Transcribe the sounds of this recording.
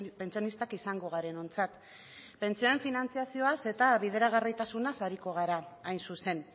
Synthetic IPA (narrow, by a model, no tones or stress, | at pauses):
pent͡sio̞nist̪akisaŋɡo̞ɣ̞aɾe̞no̞nt͡sat̪ | pe̞nt͡sio̞eɱfinant͡siasio̞ase̞t̪aβiðe̞ɾaɣ̞arit̪asunasaɾiko̞ɣ̞aɾaːjnsuse̞n